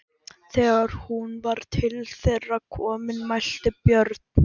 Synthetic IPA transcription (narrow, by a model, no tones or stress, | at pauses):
θɛːɣaɾ̥hunvaɾ̥t̪ʰɪlθerːakʰɔːmɪnmajl̥t̪ɪpjœɾt̪̚n̥